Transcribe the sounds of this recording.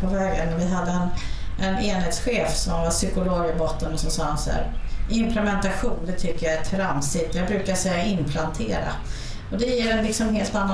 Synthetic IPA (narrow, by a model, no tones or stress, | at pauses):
pʰɔvɛːɡə̰nːæɾvɪɦad̪ːəɛnʔɛneːnheːt̪sɧeːfsɔmvaʂʏkʊloːɡɪbɔt̪ːənɔsɔsɑːha̰nsæ̰ɾɪmpʰlɛmɛnt̪aɧuːnd̪ɛt̪ʰʏkːəjaæt̪ʰɾamsɪt̪ɛjɑaɡ̚bɾʉ̟ːkaʂɛjːaɪmpʰlant̪ʰeːɾa̰ | ɔd̪ɛjeːɾɛnlɪksɔmɦeːlt̪anːa